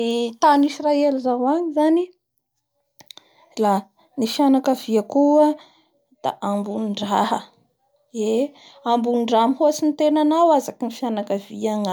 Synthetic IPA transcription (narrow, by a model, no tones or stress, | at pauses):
it̪anisraelizawaɲizani | la | nifianakəviakuə | d̪̥a̰ʔambunɳɖ͡ʐaɦə | e | ambunɳɖ͡ʐamihoasint̪enanawazakinifjanakəviaŋ